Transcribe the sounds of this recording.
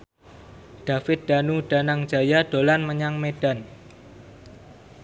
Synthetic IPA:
d̥a̤fɪt̪̚d̪̥a̤nuɖ̥a̤naŋ̥d͡ʒ̥a̤jad̥o̤lanməɲaŋmed̥an

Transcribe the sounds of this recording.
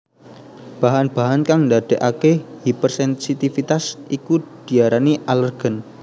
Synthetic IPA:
b̥aɦanb̥aɦankaŋndad̪̥eʔakehipərsɛnsit̪ifit̪asikud̥iaɾaniʔalərɡ̥ə̤n

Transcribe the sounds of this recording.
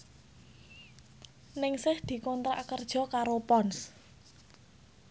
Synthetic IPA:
nɪŋsɪhd̪̥i̤kɔnt̪ɾa̰ʔkərd̥ʒ̥ɔ̤kaɾopɔns

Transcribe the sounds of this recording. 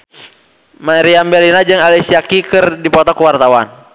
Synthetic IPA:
maɾiambɛlinad͡ʒɨŋalisiakikɨrdipɔt̪ɔkuwart̪awan

